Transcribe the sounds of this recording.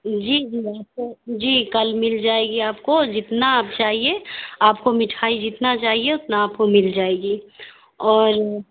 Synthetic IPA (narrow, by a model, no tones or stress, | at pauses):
d͡ʒiːd͡ʒiːaːp̚kod͡ʒiːkɐlmɪld͡ʒaːeɡiaːpkod͡ʒɪt̪naːp̚t͡ʃaːɦieaːpkomɪʈʰaːid͡ʒɪt̪nat͡ʃaːɦieʊt̪naːp̚komɪld͡ʒaːeːɡiː | ɔːɾ